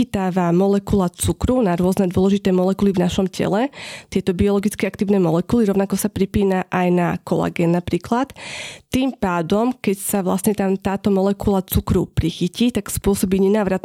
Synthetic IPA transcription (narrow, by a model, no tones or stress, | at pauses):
it̪aːʋamɔlɛkulat͡sukɾunaɾʊɔznɛd̪ʊɔlɛʒit̪ɛːmɔlɛkulivnaʃɔmcɛ̰lɛt̪ɪɛt̪ɔbiɔlɔɡit͡skɛak̚t̪iːʊnɛːmɔlɛkuliɾɔʊnakɔsapɾipiːnaʔajnakɔla̰ɡɛnːapɾiːklat̪ːiːmpaːd̪ɔmkɛcsaʋla̰stɲɛt̪amt̪aːt̪ɔmɔlɛkulat͡sukɾupɾixiciːt̪akspʊɔsɔbiːɲɛnaːʋɾat̪